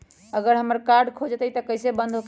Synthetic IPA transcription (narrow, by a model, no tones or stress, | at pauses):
əɡəɾɦəməɾkaɾɖkʰod͡ʒt̪ət̪əkəɪsebənd̪ʱɦok